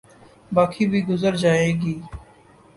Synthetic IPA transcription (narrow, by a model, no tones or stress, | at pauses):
baːkʰiːbʱiːɡʊzəɾd͡ʒaːeːɡiː